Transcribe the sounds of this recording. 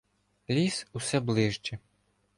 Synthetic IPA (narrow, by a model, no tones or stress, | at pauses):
lʲisusɛblˠɪʒt͡ʃɛ